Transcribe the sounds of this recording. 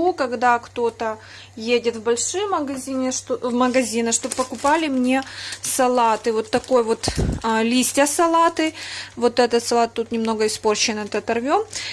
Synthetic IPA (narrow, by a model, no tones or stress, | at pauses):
okɐɡd̪akt̪o̞t̪ə | jedʲɪt̪vbɐlʲʂɨjməɡɐzʲinʲɪʂt̪ovməɡɐzʲinɨʂt̪o̞bpəkʊpalʲɪmnʲe̞sɐlˠat̪ɨvo̞t̪ːɐko̞jvo̞t̪lʲisʲtʲəsɐlˠat̪ɨvo̞t̪ɛt̪ət̪sɐlˠat̪t̪ːut̪nʲɪmno̞ɡəɪspo̞rt͡ɕɪnɨɛt̪ət̪ɐrvʲo̞m